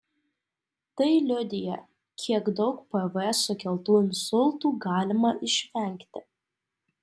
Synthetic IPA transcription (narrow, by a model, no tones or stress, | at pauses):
t̪ɐɪlʲʊd̪ʲɪjɛ | kʲʰiɛɡd̪ɐʊkpɛvɛsʊkʲɛlˠt̪uːnsʊlˠt̪uːɡɑːlʲɪmɐɪʃʲʋʲɛŋʲkt̪ʲɪ